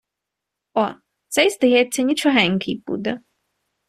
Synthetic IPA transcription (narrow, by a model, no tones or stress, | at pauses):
ɔ | t̪sɛjsd̪ɐjɛt͡sʲːɐnʲit͡ʃɔɦɛŋʲkʰʲɪjbṵd̪ɛ